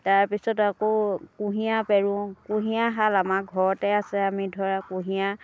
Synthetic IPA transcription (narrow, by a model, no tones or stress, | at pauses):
taɹpisɔtakokuɦijapɛɹũkuɦiaɦalamaɡʱɔɹɔtɛasɛamidʱɔɹakũɦija